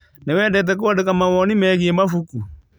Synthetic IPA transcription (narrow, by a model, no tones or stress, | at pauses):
newɛdɛt̬ɛk̬oadekamawɔnimɛɣiɛmafuku